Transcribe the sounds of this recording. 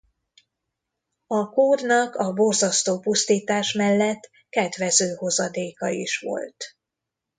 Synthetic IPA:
ɒkoːrnɒkɒbo̞rzɒst̪oːpust̪iːt̪aːʃmɛlːɛt̪ː | kɛd̪ʋɛzøːho̞zɒd̪eːkɒḭʃʋo̞̰lt̪

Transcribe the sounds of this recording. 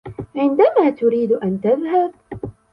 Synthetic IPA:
ʕɪnd̪amaːt̪ʊɾiːd̪ʔant̪aðhab̚

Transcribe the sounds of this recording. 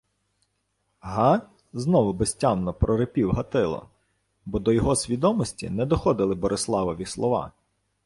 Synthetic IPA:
ɦɑ | znɔʋʊbesʲtʲɑmnɔpɾɔɾepʲiwɦɐt̪ɪlˠɔ̰ | bɔd̪ɔjɔɦɔsʲʋʲid̪ɔmɔsʲtʲḭnɛd̪ɔxɔd̪ɪlˠɪbɔɾʔɪslˠɑʋɔʋʲislˠɔʋɑ̰

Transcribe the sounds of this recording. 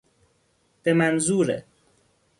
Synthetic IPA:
b̥emanzuːɾḛ

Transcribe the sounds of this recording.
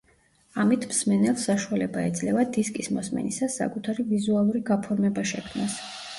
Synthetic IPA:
amit̪ʰmsmɛnɛlˠsaʃualɛbaɛd̪zlɛvad̪iskʼismɔsmɛ̰nisasːa̰kʼut̪ʰaɾivizualˠuɾiɡapʰɔɾmɛbaʃɛkʰmnas

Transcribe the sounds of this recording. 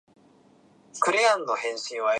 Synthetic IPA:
kɯ̟ɾʲiãnːo̞hẽ̞ɰ̃ɕĩɰ̃βa

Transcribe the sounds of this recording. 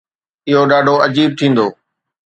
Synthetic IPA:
ɪɦoɗaːɖʱoɐd͡ʑiːb̚t̪ʰĩːnd̪oː

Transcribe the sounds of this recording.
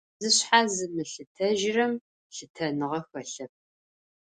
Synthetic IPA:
zɨɕħazɨmɨɬɨtʰɐʒɪrɐm | ɬɨtʰɐnɨʁɐxɐɬɐp̚

